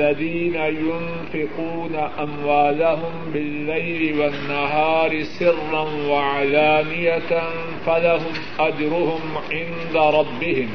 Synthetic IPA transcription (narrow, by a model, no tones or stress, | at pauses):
aðiːnajʊn | fɪquːnaʔamwaːlaɦʊmbɪlːajlɪwanːaɦɑːɾɪsɪrːanwaʕalaːnɪjan | falaɦʊmʔad͡ʒɾʊhʊmʕɪnd̪aɾˤɑbːɪhɪm